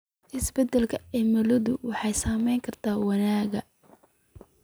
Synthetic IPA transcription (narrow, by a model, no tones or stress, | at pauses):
ʔɪsbɛd̪ɛlkʰɐɛmɐlɐðʊwɑħɑjsaːmɛjŋkʰɐrt̪ʰaːwɑnaːɣɐ